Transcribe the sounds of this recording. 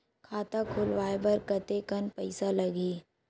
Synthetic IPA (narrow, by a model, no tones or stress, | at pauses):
kʰaːt̪akʰʊlʋaːebɐɾkɐt̪ekɐnpɐɪsalɐɡiː